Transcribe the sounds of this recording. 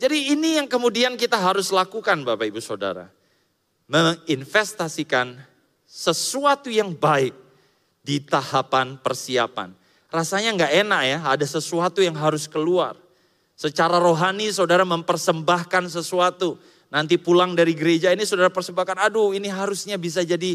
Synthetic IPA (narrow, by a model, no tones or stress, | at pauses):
d͡ʒadiːnijaŋkəmudiankit̪aɦaɾʊslakukanbapaibusada̰ɾa̰ | məŋinfɛst̪asikan | səsuat̪ujaŋbaɪk̚ | dit̪ahapanpərsia̰pa̰n | rasaɲaŋɡaʔenaʔjaadasəsuat̪ujaŋɦaɾʊskəlua̰r | sət͡ʃaɾaɾoɦanis̬odaɾaməmpərsəmbahkans̬əsuat̪u | nant̪̬ipulaŋdaɾiɡəɾed͡ʒainisadaɾapərsəmbakanaduiniɦaɾʊsɲabis̬ad͡ʒadi